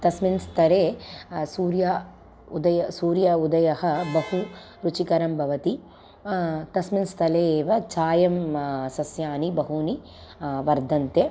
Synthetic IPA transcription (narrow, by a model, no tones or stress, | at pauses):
t̪ɐsminst̪ʰɐɾeːsuːɾjɐ | ud̪ɐjɐsuːɾjɐud̪ɐjɐɦɐbɐɦu | ɾut͡ʃikɐɾɐmbʱɐʋɐt̪i | t̪ɐsminst̪ʰɐleːʋɐt͡ʃaːjɐmsɐsjaːnibɐɦuni | ʋɐɾd̪ʱɐnt̪e